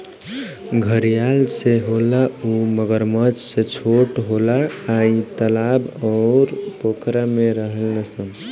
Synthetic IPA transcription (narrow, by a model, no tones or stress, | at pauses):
ɡʱəɾijalseɦolauməɡəɾməd͡ʒset͡ʃʰoʈɦolaːit̪əlabɔɾpokɾameɾəɦəlnəsə̃